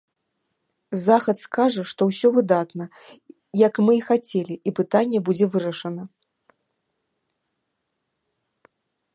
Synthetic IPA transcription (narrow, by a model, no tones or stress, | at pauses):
zaxɐt̪skaʐɐʂt̪ɔwsʲɔvɨd̪at̪nɐ | jɐkmɨxat͡sʲelʲiʔipɨt̪anʲːɛbud͡zʲɛvɨɾɐʂɐnɐ